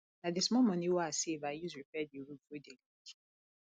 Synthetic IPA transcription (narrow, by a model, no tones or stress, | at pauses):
nadɪsmɔmɔ̃niwasevajizifɛdiuɾuodeliki̥